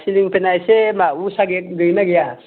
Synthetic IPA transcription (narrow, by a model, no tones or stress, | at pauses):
siliŋpɛnajsemausaɡek̚ɡɯjnaɡeja